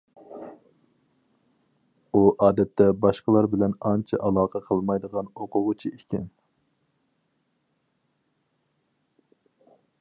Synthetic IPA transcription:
uʔɑːd̪ɛt̪ʰːɛbɑʃqəlˠɑɾbɪlɛnɑnt͡ʃʰɛ̰ʔɑlˠɑːqʰəqʰəlˠmɑjd̪əʁɑnoqʰʊʁʊt͡ʃʰiekʲʰɪ̰n

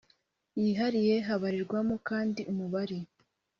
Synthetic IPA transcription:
jiɦaɾije̞ɦaβaɾiɾɡwamokaːndiʔumuβaɾi

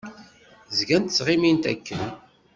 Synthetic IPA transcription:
zɡænt̪ət͡sːʁɪmint̪æ̰kːən

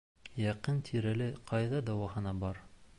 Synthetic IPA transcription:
jɑqɤnt̪ʰiɾælɘqʰɑjðɑd̪ɑwɑɦɤ̆nɑbɑɾ

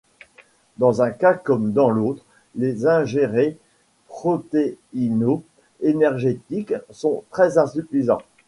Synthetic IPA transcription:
d̪ɑ̃zɛ̃kakɔmd̪ɑ̃lot̪χ | lezɛ̃ʒeʁe | pχɔt̪eino | enɛʁʒet̪iksɔ̃t̪χɛzɛ̃syfizɑ̰̃

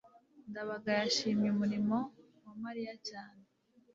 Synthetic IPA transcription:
ndaβaɡajaʃiːmɲumuɾimo̞ | mumaɾijacaːne

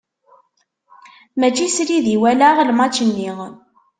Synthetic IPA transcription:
mæt͡ʃːisɾiðiwælaʁlmɑt͡ʃːənːiʁ

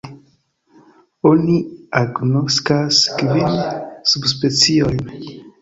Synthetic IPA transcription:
o̞niaɡno̞skaskvinsubspe̞t͡sio̞jn

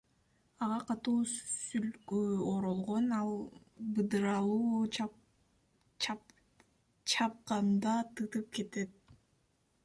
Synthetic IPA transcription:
ɑʁɑqɑt̪uːsylkøoɾo̞lˠʁo̞nɑlˠ | bɯd̪ɯɾɑlˠuː | t͡ʃʰɑp̚qɑnd̪ɑt̪ɯt̪ɯp̚ke̞t̪e̞t̪̚

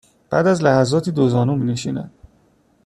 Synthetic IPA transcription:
b̥æ̰ːd̪æzlæhæzɒːt̪ʰiːd̪ozɒːnumiːneʃḭːnæ̰d̪̥

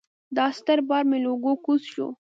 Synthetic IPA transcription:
d̪ɑst̪aɾbɑɾmeloɡokusʃo̰

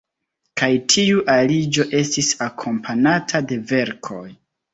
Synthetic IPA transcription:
kajtʰiuʔalid͡ʒo̞ʔe̞stisakʰo̞mpʰanatʰade̞ve̞ɾkʰo̞j

